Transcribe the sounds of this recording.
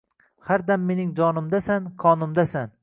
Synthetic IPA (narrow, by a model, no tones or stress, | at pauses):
haɾd̪amːe̞nɪŋd͡ʒɒnɪmd̪asanqʰɒnʊmd̪asan